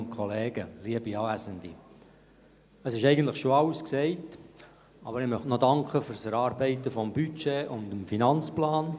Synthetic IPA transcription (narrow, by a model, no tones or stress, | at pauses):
nkʰɔleːɡ̥əliəbiɑːæsəndḭ | əsɪʃɛɪɡən̩tləχʃoɑwsksɛɪt | ɑbəɾɪmœχtnɔdɑŋkχəfʏɾsɛɾɑːɾbɛɪtəfɔmbyt͡ʃeʔʊndəmfinɑnt͡splɑːn